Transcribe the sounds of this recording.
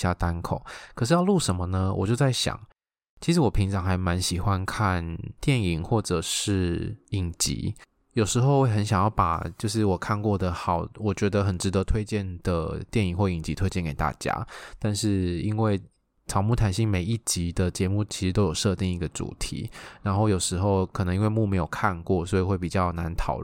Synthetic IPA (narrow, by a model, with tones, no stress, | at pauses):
ja˥˧t̪a˥nkʰo˨˩˦ʊkʰɤ˨˩ʂ̬ɻ̩˥˧jɑ˥˧ʊlu˥˩ʂə˧˥nmə˧nə˧wʔɔ̰˨˩t͡ɕjo˥˧ʊt͡sa˥˩ɪɕjɑ̰˨˩˦ŋ | t͡ɕʰi˧˥ʂ̬̩˧˥wɔ˨˩pʰi˧˥ŋʈ͡ʂɑ˨˦ŋxa˧˥ɪma˧˦nɕi˨˩xwa˦nkʰa˥˩nt̪jɛ˥˩ni˨˩ŋxwɔ˥˩ʈ͡ʂə˨˩ʂɻ̩˥˩i˨˩ŋt͡ɕḭ˧˥˦ | jo˨˩ʊʂɻ̩˧˥xo˥˧ʊwe˥˩xə˧˦nɕjɑ˨˩ŋjɑ˥˩ʊpa̰˨˩t͡ɕjo˥˧ʊʂ̬ɻ̩˥˩wɔ˨˩kʰa˥˧nkwɔ˥˩d̪ə˩xɑ˨˩˦ʊwɔ˨˩t͡ɕɥɛ˧˥d̪ə˧xə˨˩nʈ͡ʂɻ̩˧˥d̪ɤ˧˦t̪ʰwe˥ɪt͡ɕjɛ˥˩nd̪ə˩t̪jɛ˥˩ni˨˩ŋxwɔ˥˩i˨˩ŋt͡ɕi˧˥t̪ʰwe˥ɪt͡ɕjɛ˥˨nke˨˩ɪt̪a̰˥˩t͡ɕja̰˥t̪a˥˧nʂɻ̩˥˩i˦˥nwe˥˩ɪ | ʈ͡ʂʰɑ˨˩ʊmu˥˩t̪ʰa˨˩nɕi˥˩ŋme˨˩ɪi˥˩t͡ɕi˧˥d̪ə˨t͡ɕjɛ˧˥mu˥˩t͡ɕʰi˧˥ʂɻ̩˧t̪o˥jo˨˩ʊʂɤ˥˧t̪i˥˧ŋi˧˩ɡə˨˩ʈ͡ʂṵ˨˩t̪ʰḭ˧˥˦ɻa˧˥nxo˥˩ʊjo˨˩ʂɻ̩˧˥xo˥˧ʊkʰnə˧˦ŋi˥ŋwe˥˧ɪmu˥˩me˧˥ɪjo˨˩ʊkʰa˥˧nkwɔ˥˩swɔ˧˥i˨˩xwe˥˩ɪpi˨˩t͡ɕjɑ˥˩ʊna˧˦nt̪ʰɑ˨˩ʊ